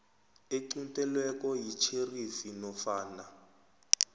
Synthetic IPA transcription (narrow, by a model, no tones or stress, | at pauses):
eǀuntʼɛlwɛkɔjit͡ʃʰerifinɔfaːna